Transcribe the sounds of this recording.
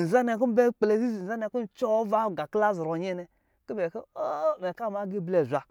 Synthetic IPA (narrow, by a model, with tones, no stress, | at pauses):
n̩˨za˦nɛ˧˨ku˦m̩˦be˦k͡ple˧˨zi˦zi˨za˦nɛ˧ku˦n̩˦˨t͡ʃɔ˦va˦˨ɡa˨kla˦˨zɾɔ˨ɲɛ˦nɛ˧ | ki˦bɛ˨ke˦o˦˨mɛ˨ka˦˨ma˨˦ɡe˦˨blɛ˨zʷa˨